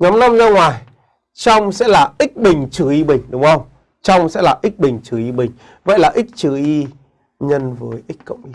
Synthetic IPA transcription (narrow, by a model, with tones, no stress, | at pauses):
ɲɔ˨˦mna˧mzɔː˧ŋwaː˨˩j | t͡ɕɔ˧wŋ͡msɛ̰˧˥laː˨˩ʔi˦˥k̚ɓï˨˩ŋ̟t͡ɕɨ˨˩ʔi˧ɓï˨˩ŋ̟ɗʊ˨˦ŋ͡mə˧wŋ͡m | t͡ɕɔ˧wŋ͡msɛ̰˧˥laː˨˩ʔi˦˥k̚ɓï˨˩ŋ̟t͡ɕɨ˨˩ʔi˧ɓï˨˩ŋ̟ | və̰˧˨jlaː˨˩ʔï˦˥k̟̚t͡ɕɨ˨˩ʔi˧ | ɲə˧nvəː˨˦jʔi˦˥k̟̚ʲkə̰˧˨wŋ͡mʔi˧